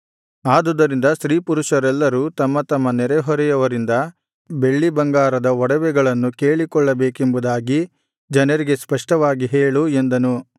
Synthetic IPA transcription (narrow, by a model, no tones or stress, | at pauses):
aːd̪ud̪ɐɾind̪ɐʃɾiːpuɾuʂɐɾɛlːɐɾuːt̪ɐmːɐt̪ɐmːɐnɛɾɛɦɔɾɛjɐʋɐɾind̪ɐ | be̞ɭːibɐŋɡaːɾɐd̪ɐɔɽɐʋɛɡɐɭɐnːukeːɭikɔɭːɐbeːkembud̪aːɡi | d͡ʒɐnɐɾiɡe̞spɐʂʈɐʋaːɡiɦeːɭuend̪ɐnu